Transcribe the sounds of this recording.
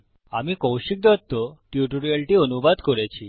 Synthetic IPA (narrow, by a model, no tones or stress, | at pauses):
amikɔ̃wɕik̚d̪at̪ːɔʈjuʈuɾialʈiənubad̪kɔɾet͡ɕʰi